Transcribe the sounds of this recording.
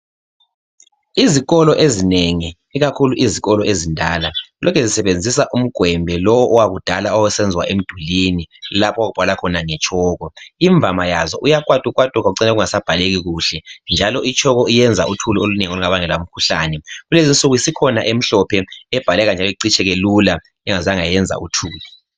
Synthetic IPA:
iziɣɔlɔʔezineŋi | iɣakʰuluʔiziɣɔlɔezindʱaːlalʔɔkʰɛzisɛβend͡zʱisaʔum̩ɡ̥ʱwɛmbʱɛlɔwɔʔɔwaɣud̥ʱalaɔwɛsɛnd͡zʱwa̰ʔem̩d̥ʱulinilapʰɔwaɣub̥ʱalakʰɔnaŋɛt͡ʃʼʰɔːɣɔiɱb̪vʱamajazɔʔujak̬ʼwatʼuk̬ʼwatʼukɣak̬uǀɛnɛɣuŋasab̥ʱaleɣiɣuːɬɛnd͡ʒʱalɔʔit͡ʃʰʼɔɣɔijɛnd͡zʱa̰ʔutʰuluoluneŋoluŋaβaŋɛlm̩kʰuɬaːnɛɣulezint͡sʼuɣuisikʰɔnaʔem̩ɬɔpʰɛɛb̥ʱalɛɣand͡ʒʱalɔiǀit͡ʃʰʼɛɣelula | ɛŋazaŋajɛnd͡zʱa̰ʔutʰuːlɔ

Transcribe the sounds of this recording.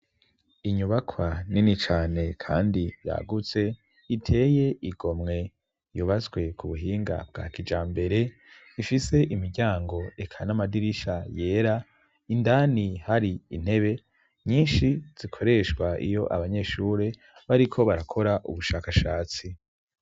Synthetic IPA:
iɲuβakʰwaninit͡ʃaːne̞kʰa̰ːndija̰ːɡut͡se̞ | itʰe̞ːje̞ʔiɡo̞mŋe̞ | juβazɡwe̞kuβuɦiːŋɡa̰b̚ɡ̥a̰ːkid͡ʒaːmbe̞ɾe̞ | ifise̞ʔimiɾɟaːŋɡo̞e̞kʰanamadiɾiʃaje̞ːɾa | indaːnihaɾiin̥he̞βe̞ | ɲiːnʃiz̥ikʰo̞ɾe̞ʃkwaʔḭjo̞ʔaβaɲe̞ːʃuːɾe̞ | βaɾikʰo̞βaɾakʰo̞ɾaʔṵβuʃaːkaʃaːt͡si

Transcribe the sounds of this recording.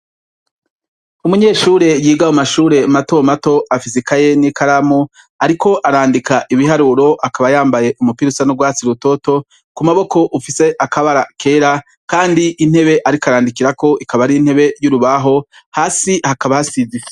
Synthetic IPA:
umuɲe̞ːʃuːɾe̞jiːɡahomaʃuːɾe̞mato̞mato̞ʔafisikʰaje̞nikaɾamu | aɾikʰo̞ʔaɾaːndikaʔiβiɦaɾuɾo̞ʔakaβajaːmbaje̞ʔumupiɾusanuɡwaːt͡siɾuto̞to̞ | kumaβo̞ko̞ʔufise̞ʔakaβaɾakʰe̞ːɾa | kaːndiʔːn̥he̞βe̞ʔaɾikaɾaːndikiɾako̞ʔikaβaɾiin̥he̞βe̞juɾuβaɦo̞ | haːsihakaβahasize

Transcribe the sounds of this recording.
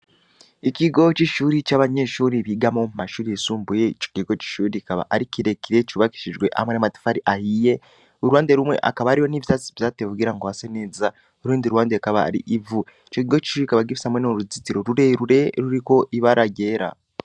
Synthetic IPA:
iciɡo̞ciʃuːɾicaːβaɲe̞ʃuːɾiβiːɡamo̞mumaʃuːɾiesuːmbujeit͡ʃo̥ciɡo̞t͡ʃi̥ʃuːɾikaβa̰ʔaɾikiɾe̞kiɾe̞t͡ʃuβaki̥ʃiʒɡwe̞ʔa̰hamwenamati̥faɾiʔahije̞ | oɾuwaːnde̞ɾumwe̞̰ʔa̰kaβaaɾiho̞niβjaːt͡si̥vjaːtevuɡiɾaŋɡohaseneːza | oɾuːndiɾuwaːndekaβa̰ːɾiʔivu | t͡ʃokiɡo̞t͡ʃi̥ʃuːɾikaβaɡifishamwenoɾuzitiɾo̞ɾuɾeɾuɾe̞ɾuɾiko̞ʔiβaɾaɟe̞ːɾa̰

